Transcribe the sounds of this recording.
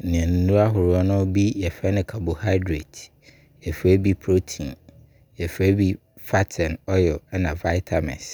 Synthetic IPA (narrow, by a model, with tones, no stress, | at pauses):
nɪ̃˨ɛ̃˨n̩˨˦nũ˦a˦ɦʊ˨ɾʊ˨˦ɔ˦nʊ̃˦bi˦jɛ˨fɛ˦nɪ̃˨kʰa˨bʊ˨ha˦ɪ˦dɾḛ˨t | jɛ˨fɛ˦bi˦pʰɾo˦tʰĩ˨n | jɛ˨fɛ˦bi˦ | fa˦tʰɛ̃˨nɔ˦jɔ˨˦nã˨va˦ɪ˦tʰa˨mɛ̰̃˨s